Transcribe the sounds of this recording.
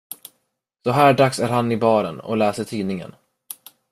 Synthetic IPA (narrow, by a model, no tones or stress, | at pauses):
sɔɦæːɖaksæɾhanːɪbɑːɾənɔ̰lɛːsəʈʰiːnɪŋə̰n